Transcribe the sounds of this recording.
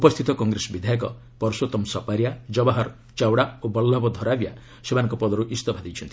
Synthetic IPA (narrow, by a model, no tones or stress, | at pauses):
upɔst̪ʰit̪ɔkɔŋɡɾesɔbid̪ʱajɔkɔ̰ | pɔɾɔsot̪ɔmsɔpaɾjad͡ʒɔbaɦɔɾ | t͡ʃawɽaobɔlːɔbɔd̪ʱɔɾabja | semanɔŋkɔpɔd̪ɔɾuʔist̪ɔbʱad̪ijt͡ʃʰɔnt̪ii̥